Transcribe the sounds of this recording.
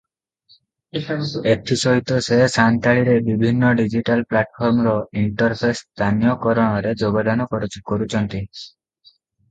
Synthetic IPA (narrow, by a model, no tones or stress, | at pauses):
eʈʰisɔɦit̪ɔsesant̪aɭiɾebibʱinːɔɖid͡ʒiʈalplaʈpʰɔɾmɾɔiɳʈɔɾpʰest̪ʰanjɔkɔɾɔɽ̃ɔɾed͡ʒoɡɔd̪ʱanɔkɔɾut͡ʃʰkɔɾut͡ʃʰɔnt̪i